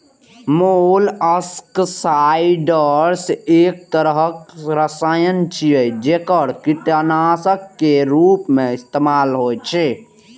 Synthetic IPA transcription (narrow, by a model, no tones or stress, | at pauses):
moləsksaiɖəɾseːk̚t̪əɾəɦəkɾəsaːjənt͡ʃʰijəjd͡ʒekəɽkiʈənaːsəkːeɾuːpmẽɪst̪eːmaːlɦoːjt͡ʃʰe